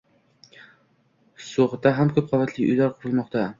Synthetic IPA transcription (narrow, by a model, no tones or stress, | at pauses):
soʁd̪aɦamkʰɵp̚qʰɒvat̪ʰlɪʔʊ̰jlaɾqʰʊɾɨlˠmɒqt̪ʰa